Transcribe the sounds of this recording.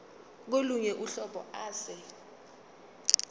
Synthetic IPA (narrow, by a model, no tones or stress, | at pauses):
k̬oluɲɛʔuɬɔɓɔ̰aːsɛ